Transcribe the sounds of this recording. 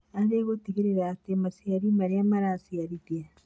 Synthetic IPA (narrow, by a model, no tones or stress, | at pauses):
aðeɣoteɣeɾeɾaːtemasiaɾimaɾeamaɾaːsiaɾiðia